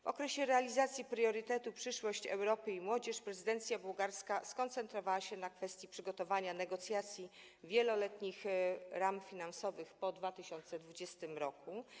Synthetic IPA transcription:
vɔ̰kɾɛɕɛɾɛalʲizat̪sʲjipɾjɔɾɘt̪ɛt̪upʂɘʂwɔɕt͡ɕɛ̰wɾɔpɘimwɔd͡ʑɛʂpɾɛzɘd̪ɛnt̪sʲjabuwɡaɾskaskɔnt̪sɛnt̪ɾɔvawaɕɛnakfɛst̪ʲjipʂɘɡɔt̪ɔvaɲanɛɡɔt̪sʲjat̪sʲji | vʲjɛlɔlɛt̪ɲixɾamfʲinansɔvɘxpɔd̪vat̪ɘɕɔnt̪sɛd̪vud͡ʑɛst̪ɘmɾɔku

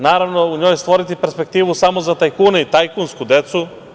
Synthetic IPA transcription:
naːɾaʋnouɲojst̪ʋoɾit̪ipeɾspe̞k̚t̪iːʋusamozat̪ajkuːnait̪ajkunskud̪et̪su

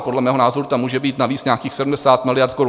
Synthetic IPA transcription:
podlɛmɛːɦo̞naːzo̞ɾut̪amuːʒɛbiːt̪naviːt͡sɲaːkiːxsɛdm̩dɛsaːt̪mɪlɪjaɾt̪koɾu

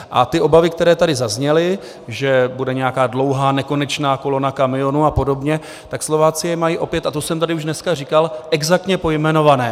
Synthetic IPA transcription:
ʔa̰t̪ɪʔo̞bavɪk̚t̪ɛɾɛːt̪adɪzazɲɛlɪ | ʒɛbudɛɲɛjakaːdlo̞wɦaːnɛko̞nɛt͡ʃnaːko̞lonakamɪo̞nuːapo̞do̞bɲɛ | t̪akslo̞vaːt͡sɪjɛmajiːʔo̞pjɛt̪at̪osɛmt̪adɪuʒdnɛskarikalʔɛɡzak̚t̪ɲɛpo̞jmɛno̞vanɛː

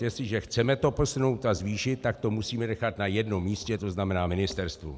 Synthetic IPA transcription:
jɛst̪lɪʒɛxt͡sɛmɛt̪o̞po̞suno̞wt̪azviːʃɪt̪̚ːak̚t̪o̞musiːmɛnɛxat̪najɛdno̞mːiːscɛt̪o̞znamɛnaːmɪnɪst̪ɛɾst̪vṵ

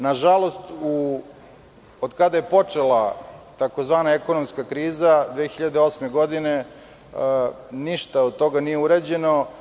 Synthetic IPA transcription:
naʒalˠo̞st̪u | od̪kad̪aje̞po̞t͡ʂe̞lˠat̪akozʋaːnaeko̞nomskakɾiːzad̪ʋeːxiʎad̪eo̞smeɡo̞d̪ine̞ | niʃt̪aod̪̚t̪o̞ɡanijeuɾed͡ʑeno̞

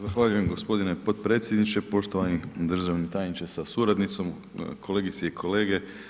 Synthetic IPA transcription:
zaxʋaːʎuje̞mɡo̞spo̞d̪inepo̞d̪̚pɾe̞ːt̪sʲjed̪nit͡ʃe̞po̞ʃt̪oʋanid̪r̩ʒaʋnit̪aːjnit͡ʃesasuɾad̪nit̪so̞m | kʰo̞leɡit̪seikʰo̞le̞ːɡe̞

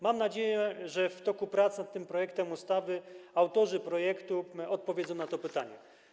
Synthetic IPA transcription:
mamnad͡ʑejɛʐɛft̪ɔkupɾat̪snat̪ːɘmpɾɔjɛkt̪ɛmust̪avɘawt̪ɔʐɘpɾɔjɛkt̪uɔt̪̚pɔvʲezɔ̃w̃nat̪ɔpɘt̪a̰ɲɛ̰

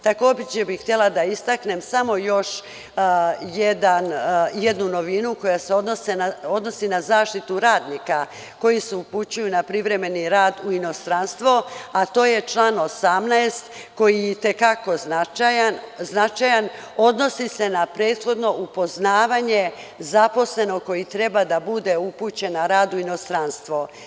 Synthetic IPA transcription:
t̪ako̞ːbit͡ɕebixt̪jelˠad̪aist̪akne̞msamo̞jo̞ʃ | jed̪anjed̪nuno̞ʋinuko̞jaseo̞d̪nosenao̞d̪no̞sinazaːʃt̪it̪uɾaːd̪nika | ko̞jiseuput͡ɕujunapɾiʋɾe̞me̞niɾaːd̪uino̞st̪ɾanst̪ʋoat̪o̞ːje̞t͡ʃlaːno̞samnaest̪ | ko̞jijɛt̪e̞kako̞znat͡ʃajanznat͡ʃajan | o̞d̪no̞sise̞napɾe̞ːt̪xo̞d̪no̞ʔupo̞znaːʋaɲe̞ | zapo̞sle̞no̞ko̞jit̪ɾe̞bad̪abud̪e̞uput͡ɕe̞naɾaːd̪uino̞st̪ɾanst̪ʋo

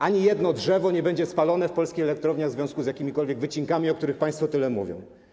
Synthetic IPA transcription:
ʔaɲijɛd̪nɔdʐɛvɔɲɛbɛɲd͡ʑɛspalɔnɛfpɔlskʲixɛlɛk̚t̪ɾɔvɲaɣvzvʲjɔ̃skuzjakʲimʲikɔlvʲjɛɡvɘt͡ɕiŋkamʲiɔk̚t̪uɾɘxpãj̃st̪fɔt̪ɘlɛmuvʲjɔ̰̃w̃

